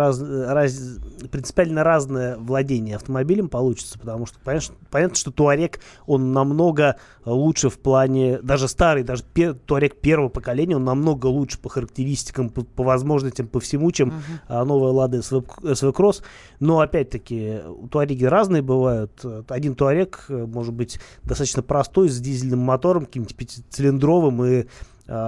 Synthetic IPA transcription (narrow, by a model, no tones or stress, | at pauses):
azrazʲpɾʲɪnt̪spʲalʲnəɾaznɨjəvlˠɐdʲenʲɪjəɐft̪əmɐbʲilʲɪmpɐlˠut͡ɕɪ̥t̪sə̥pə̥t̪ɐmuʂt̪o̥pɐʂpɐnʲat̪nə̥ʂt̪ot̪ʊɐɾʲeko̞nːɐmno̞ɡə | lˠutʂɨfplˠanʲɪd̪aʐɨst̪aɾɨjd̪aʐɨpʲet̪ʊɐɾʲek̚pʲe̞rvəvəpəkɐlʲenʲɪjəo̞nːɐmnoɡəlˠutʂɨ̥pəxəɾək̚tʲɪɾʲisʲtʲɪ̥kəmpəpəvɐzmo̞ʐnəsʲtʲɪmpəfsʲɪmut͡ɕemno̞vəjəlˠad̪əɛsvɛsvɛkɾos | no̞ɐpʲæt̚ʲt̪əkʲɪt̪ʊɐɾʲeɡʲɪɾaznɨjəbɨvajʊt̪ːɐdʲint̪ʊɐɾʲekmo̞ʐɨd̪̚bɨtʲd̪ɐst̪at̪ə̥t͡ɕʲnəpɾɐst̪o̞jzʲdʲizʲɪlʲnɨmːɐt̪o̞ɾəmkɐkʲimt̪ʲɪ̥pʲetʲt̪sɨlʲɪnd̪ɾo̞vɨmɨ